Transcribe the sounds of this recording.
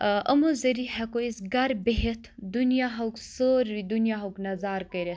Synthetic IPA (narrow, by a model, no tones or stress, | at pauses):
ʔɐmuzɐɾiɦɐkoisɡɐɾbeɦet̪ʰd̪unijaɦɐwksoːɾid̪unijaːɦɐwknɐzaːɾkɐɾe